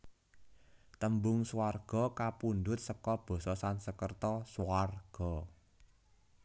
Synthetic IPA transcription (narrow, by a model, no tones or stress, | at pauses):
t̪əmbʊŋsuwarɡ̥ɔ̤kapund̪ʊt̪̚səkɔb̥ɔ̤sɔsansəkərt̪ɔswarɡ̥ɔ̤